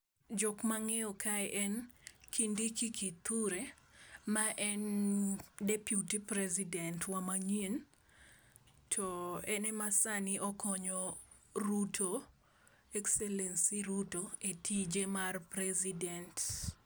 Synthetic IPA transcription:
d͡ʒɔkmaŋeɔkʰaɛʔɛnkʰindikikit̪ʰuɾe | maʔɛn | depjutipɾɛzidɛntwamaɲen | tʰɔɛnɛmasaniʔɔkɔɲɔ | ɾutʰo | ɛksɛlɛnsiɾutoetʰid͡ʒemarpɾɛzidɛnt

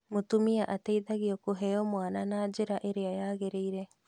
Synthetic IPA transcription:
motumiaʔatɛiðaɣiɔkoɦɛɔmwananaːd͡ʒeɾaʔeɾeajaːɣeɾeiɾɛ

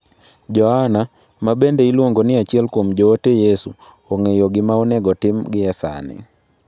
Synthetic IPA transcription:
d͡ʒɔhana | mabendeilwoŋɡonɪat͡ʃiɛlkwomd͡ʒɔːtejesu | oŋejoɡɪmaɔnɛɡɔtɪmɡɪjasa̰nɛ̰

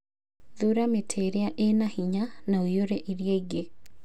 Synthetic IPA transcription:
ðuɾametʰeɾeaʔenahiɲanaojoɾeʔiɾjeiɡe

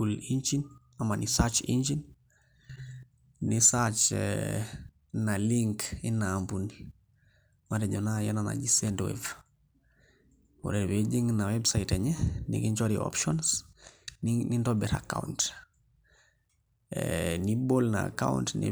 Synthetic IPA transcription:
ulind͡ʒin | amanisat͡ʃḭnd͡ʒin | nisat͡ʃ | naliŋkinaːmpuni | maɾeɲonajanana̰d͡ʒisɛntwḛv | o̰ɾewed͡ʒiŋnawebsaiteɲɛnḭkiɲt͡ʃaɾio̰pʃɔnsninindobɛɾa̰ka̰unt | nibolna̰ːka̰wṵntnḭ

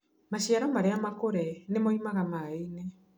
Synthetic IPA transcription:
maɕjaɾɔmaɾeamakoɾɛnemɔimaɣamainɛ

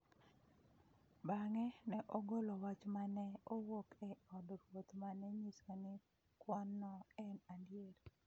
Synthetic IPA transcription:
baŋɛnɛʔɔɡolɔwat͡ʃmanɛɔwokɛɔdɾwot̪manɛɲisonɪ | kwɔnːɔɛnandɪjeɾ

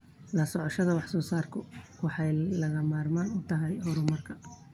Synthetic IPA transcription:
lɐsɔʕɔʃɐðɐwɑħsɔːsaːrkʰʊwɑħɑjlɐɣɐmaːrmaːnʊt̪ʰɐɦɛjhɔɾʊmɐrkʰɐ̥

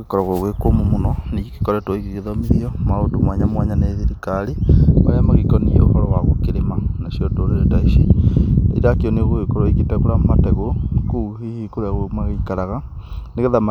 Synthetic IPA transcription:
ɣekɔɾɔɣoɣwekomomonɔniɣiki̥kɔɾɛtwoiɣiɣeðɔmiɾiɔmaodomwaɲamwaɲaneðiɾikaɾimaɾeamaɣikɔnio̰hɔɾɔwaɣokeɾemanasjɔdoɾeɾetaiʃiḛɾakiɔneɣoekɔɾɔiɣitɛɣoɾamatɛɣookuhihikoɾaɣomaɣeikaɾaɣa | neɣeðama

